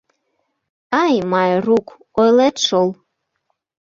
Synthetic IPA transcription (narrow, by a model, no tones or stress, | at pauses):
ɑjmɑjruk | ojlet̪ʃolˠ